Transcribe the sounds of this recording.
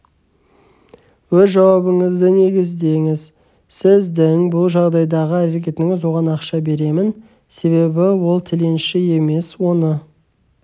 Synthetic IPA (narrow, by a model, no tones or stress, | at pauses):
wɵzʒɑwɑbəŋəzd̪ɪne̞ɡʲɪzd̪e̞ŋɪz | sɪzd̪ɪŋbʊlˠʒɑʁd̪ɑjd̪ɑʁəæɾe̞kʲe̞t̪ɪŋɪzwo̞ʁɑnɑqʃɑbe̞ɾe̞mɪn | se̞βe̞bɪwo̞lˠt̪ʰɪle̞nʃɪe̞me̞swo̞nə